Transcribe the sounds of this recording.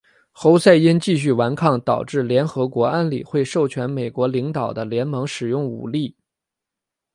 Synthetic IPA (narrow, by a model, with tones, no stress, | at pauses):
xo˧˥ʊsa˥˩ɪi˥nt͡ɕi˥˧ɕ̬y˥˩wa˧˥nkʰɑ˥˩ŋt̪ɑ˨˩ʊʈ͡ʂɻ̩˥˩ljɛ˧˥nxɤ˧˥kwɔ˧˥a˥nli˨˩xwe˥˧ɪʂo˥˩ʊt͡ɕʰɥɛ˧˥nme˨˩ɪkwɔ˧˥li˧˥ŋt̪ɑ˨˩ʊd̪ə˦ljɛ˧˥nmɤ˧˥ŋʂɻ̩˨˩jʊ˥˩ŋṵ˨˩li˥˩